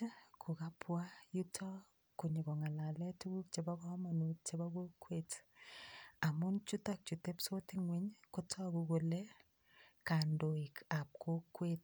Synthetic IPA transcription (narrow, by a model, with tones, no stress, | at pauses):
kʰo˨ka˦pwa˦ju˦tʰɔ˦ | ko˨ɲi˨ɡɔ˨ŋa˨la˨lɛ˦tu˦ɡu˦k̚t͡ʃe˨ba˦kɔ˦ma˨no˨t͡ʃe˦ba˦ko˦kwet | a˨mʊ˦nt͡ʃu˦tak̚t͡ʃu˨te˦pso˦ti˦ŋwe˦ɲkotʰɔ˦kuɡo˨le˦ | ka˨ndo˨i˨ka˨p̚ko˦kwet